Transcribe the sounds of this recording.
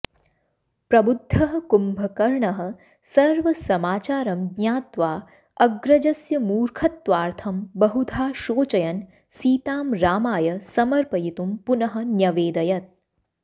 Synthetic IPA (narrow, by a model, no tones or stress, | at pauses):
pɾɐbud̪ʱːɐɦɐ̆kumbʱɐkɐɾɳɐɦɐ̆ | sɐɾʋɐsɐmaːt͡ʃaːɾɐmɡnɲjaːt̪ʋaː | ɐɡɾɐd͡ʒɐsjɐmuːɾkʰɐt̪ːʋaːɾt̪ʰɐmbɐɦud̪ʱaːʃoːt͡ʃɐjɐn | siːt̪aːmɾaːmaːjɐsɐmɐɾpɐjit̪umpunɐɦɐ̆njɐʋeːd̪ɐjɐt̪̚